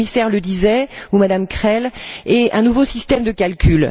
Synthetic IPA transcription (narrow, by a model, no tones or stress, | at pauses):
misɛʁləd̪izɛumad̪amkχɛleʔɛ̃nuvosist̪ɛmd̪əkʲalkʲyl